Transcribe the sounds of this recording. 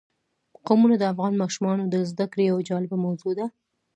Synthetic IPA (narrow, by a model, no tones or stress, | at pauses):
qamunad̪əafɣɑnmɑʃumɑnod̪əzd̪akɽejawad͡ʒɑlɪbamawzod̪a